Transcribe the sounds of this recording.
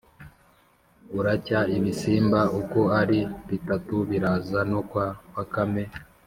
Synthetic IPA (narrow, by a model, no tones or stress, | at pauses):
uɾacaiβisiːmbaʔuko̞aɾiβitatuβiɾaːzanokwawakame